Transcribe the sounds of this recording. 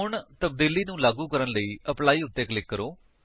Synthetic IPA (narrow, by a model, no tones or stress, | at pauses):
ʊɳt̪əbd̪iːliːnũːlaːɡuːkəɾənləiːʔəplaːiːʊt̪ːeːkəlɪkːəɾoː